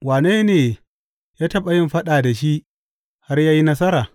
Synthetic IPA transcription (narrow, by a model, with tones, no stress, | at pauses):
waː˨ne˦neː˨ | jaː˦tɐ˦ɓa˨jɪ˦mɸɐ˦ɗaː˨da˨ʃi˦ʔ | ha˦rjaː˦ji˦nɐ˦s̬ɐ˦ɾaː˨